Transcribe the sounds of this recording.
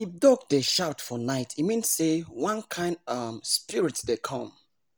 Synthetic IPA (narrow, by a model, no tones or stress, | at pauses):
idɔɡdeʃaʊtfɔnaɪtʰimĩnsewãnkʰãɪ̃ndʌmspiɹitdekʰɔ̃m